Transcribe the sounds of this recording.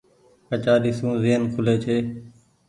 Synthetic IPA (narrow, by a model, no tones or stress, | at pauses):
kət͡ʃaːɗɪsũːziɦənkʰʊleːt͡ʃʰeː